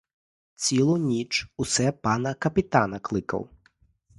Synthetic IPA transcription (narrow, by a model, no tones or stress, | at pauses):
t͡sʲilˠʊnʲit͡ʂusɛpɑnɐkɐpʲɪt̪anɐklˠɪkɐ̰w